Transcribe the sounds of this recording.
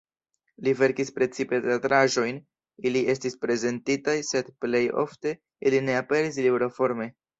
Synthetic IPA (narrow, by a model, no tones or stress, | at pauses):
live̞ɾkispɾe̞t͡sipe̞tatɾaʒo̞jn | iliʔe̞stispɾe̞ze̞ntitajse̞dple̞jo̞̰fte̞ | iline̞ape̞ɾis̬libɾofo̞ɾme̞